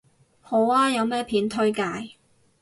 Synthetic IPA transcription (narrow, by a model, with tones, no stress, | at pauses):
ho˨˥waː˥jɐ˨˧wmɛː˥pʰiː˨˥nt̪ʰɵ˥ɥkaː˧j